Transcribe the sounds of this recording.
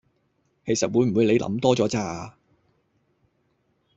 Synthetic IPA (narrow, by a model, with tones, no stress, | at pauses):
kʰe˨˩jsɐ˨t̚wuː˨˧jm̩˨˩wuː˨˧jle˨˧jlʔɐ̰˨˥mt̪ɔː˥t͡sɔː˨˥t͡saː˧